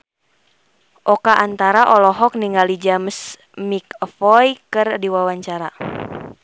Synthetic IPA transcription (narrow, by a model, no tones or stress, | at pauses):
ʔɔkaʔant̪aɾaʔɔlɔɦɔk̚niŋɡalid͡ʒaməs | mikfɔjkɨrdiwawaɲt͡ʃaɾa